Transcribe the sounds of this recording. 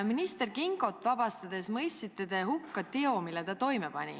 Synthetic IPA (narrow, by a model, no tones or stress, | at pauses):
minist̪e̞rkiŋɡ̥o̞t̪ːˑvɑbɑst̪ɑd̪e̞smɤjst̪it̪ːet̪e̞ɦukːɑt̪eo̞milːet̪ɑt̪o̞jmepɑ̰nʲḭ